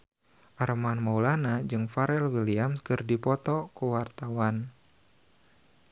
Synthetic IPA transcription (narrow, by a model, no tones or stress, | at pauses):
ʔaɾmanmaulanad͡ʒɨŋfaɾɛlwiliamskɨrdipɔt̪ɔkuwart̪awan